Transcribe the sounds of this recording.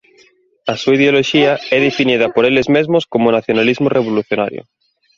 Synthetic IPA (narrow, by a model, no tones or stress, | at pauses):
asuaiðeoloʃiaɛðefinið̞ɐpoɾelezmezmoskomonaθjonalizmoreβ̞oluθjona̰ɾjo̰